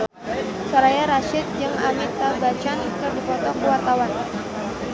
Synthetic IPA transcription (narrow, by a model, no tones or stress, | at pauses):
sɔɾajaɾaʃɪt̪̚d͡ʒaŋamit̪abat͡ʃankɨrdipɔt̪ɔkəwart̪awan